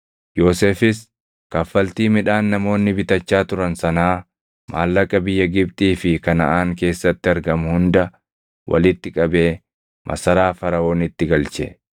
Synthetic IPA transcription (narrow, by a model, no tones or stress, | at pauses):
jo̞ːseːfɪs | kɐfːɐlt̪iːmɪᶑaːnːɐmo̞ːnːɪbɪt̪ɐt͡ʃːaːt̪ʊɾɐnsɐnaː | ma̰ːlːɐkʼɐbɪjːɐɡɪb̚t̪ʼiːfɪkɐnɐ̰ʔaːŋke̞ːsːɐt̪ːɪɐɾɡɐmhʊnd̪ɐ | wʔɐ̰lɪt̪ːɪkʼɐbe̞ː | mʔɐ̰sɐɾaːfɐɾɐo̞ːnɪt̪ːɪɡɐlt͡ʃɛ̰